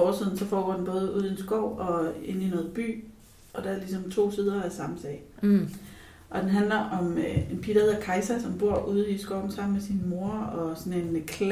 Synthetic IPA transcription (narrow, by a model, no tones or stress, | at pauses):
ɒːsið̞̰ˠn̩sɒ̽fɒːɡ̥ɒ̰denb̥ɔ̽ːð̞̩ˠuːð̞̰ˠie̝nsɡ̥ɒʊ̰ɒ̽e̝n̰inɔ̽ːð̩ˠb̥y̰ː | ʔɒ̽d̥ɑɐlis̬ɒ̽mt͡sʰo̝̰ːseð̞ˠɐæsɑ̈məsɛ̰ɪ | ʔɒ̽d̥enɦænlɐʔɒ̽menpʰid̥ɐheðˠɐkʰɑ̈ɪsæsɒ̽mb̥o̝ɐ̰ʔuːð̞ˠisɡ̥ɒʊ̰n̩sɑ̈m̰n̩mesinmo̝ɐɒ̽sɒ̽ne̝nkʰ